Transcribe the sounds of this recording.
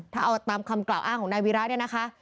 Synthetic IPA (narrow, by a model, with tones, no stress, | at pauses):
t̪ʰaː˥˩ʔa˧wa˧t̪aː˧mkʰa˧mklaː˨˩wʔaː˥˩ŋkʰːɔː˨˩˦na˧jwiː˧˥ɾa˦˥ni˥˩ɐna˦˥kʰa˦˥ʔ